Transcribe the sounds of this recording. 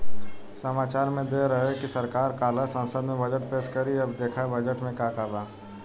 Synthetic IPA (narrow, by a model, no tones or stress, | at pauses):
səmaːt͡ʃaːɾmẽd̪eːɾəɦekisɐɾkaːɾkaːlasə̃nsəd̪mẽbəd͡ʒəʈpeːskəɾiɐbd̪eːkʰabɐd͡ʒəʈmẽkaːkaːbaː